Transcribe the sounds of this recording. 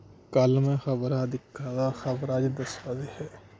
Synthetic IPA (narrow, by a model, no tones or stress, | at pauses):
kɐlmẽxɐbɾad̪ɪkʰːaːd̪axɐbɾaːd͡ʒid̪ɐswaːzehɛː